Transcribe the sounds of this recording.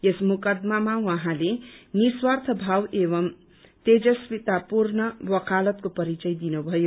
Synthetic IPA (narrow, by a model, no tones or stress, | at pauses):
esmukʌd̪mamawaɦãleniswʌrt̪ʰʌbʱaweβʌm | t̪ed͡zʌspit̪apurnʌwʌkalʌt̪̚kopʌɾit͡sʌjd̪inubʱʌjo